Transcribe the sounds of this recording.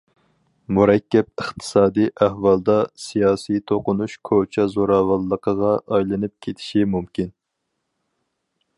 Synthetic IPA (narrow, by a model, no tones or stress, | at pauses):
muɾɛkʲːɛp̚əχt̪ʰɨ̥sɑːd̪ijʔæhwɑlˠd̪ɑsijɑːsit̪ʰoqʊnuʃkʰot͡ʃʰɛzoɾɑːwɑlˠːəqʰəʁɑʔɑjlˠɨnɨp̚kʲʰet̪ʰɪ̥ʃimumkʲin